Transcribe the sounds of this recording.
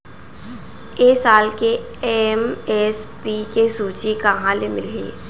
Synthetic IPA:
eːsaːlke | emɛspiːkesuːt͡ʃikɐɦãlemɪlḛː

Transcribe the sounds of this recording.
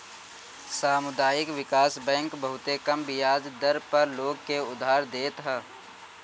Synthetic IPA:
saːmʊd̪aːjɪkʋɪkaːsbɛ̃ːŋkbɐɦʊt̪ekɐmbɪjaːd͡ʒd̪ɐɾpɐɾloːɡ̚keʊd̪ʱːaːɾd̪eːt̪ɦaː

